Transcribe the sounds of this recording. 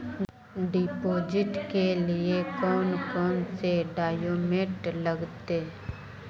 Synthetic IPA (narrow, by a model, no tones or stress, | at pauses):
ɖɪːpoːd͡ʒɪʈkelɪekɔːnkɔːnseɖaːjoːmeːʈləɡt̪e